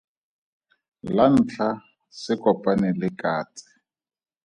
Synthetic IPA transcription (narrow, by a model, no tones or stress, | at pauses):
lan̩t͡ɬʰa | sɪkɔpʼanɪlɪkʼaːt͡sʼɪ̥